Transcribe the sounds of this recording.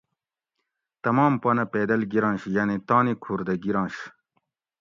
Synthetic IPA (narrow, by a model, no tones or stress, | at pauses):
t̪ɐmɑːmpɐnɐpeːd̪ɐlɡiɾɑ̃ːnɕjanit̪aːnikʰuːɾd̪ɐɡiɾɑ̃ːnɕ